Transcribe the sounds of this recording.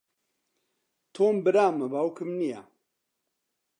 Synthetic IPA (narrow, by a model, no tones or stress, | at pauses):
t̪ʰoːmbɨɾaːmɐbawkʰɨmnija̰